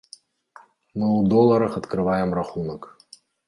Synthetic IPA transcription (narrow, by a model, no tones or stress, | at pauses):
mɨwd̪ɔlˠːɐɾɐxɐt̪kɾɨvajɛmraxunɐk